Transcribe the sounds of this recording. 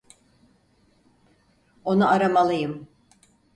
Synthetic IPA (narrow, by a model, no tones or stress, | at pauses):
o̞nuʔaɾamalˠɯjɯm